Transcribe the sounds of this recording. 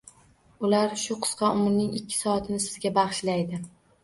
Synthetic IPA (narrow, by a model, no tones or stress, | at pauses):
ʊlaɾʃʊqʰɨ̥sqʰɑʊmɾnɪŋɪkʲʰːɪ̥sɒat̪ʰɪnɪsɪzɡʲabɑχʃlajd̪ɪ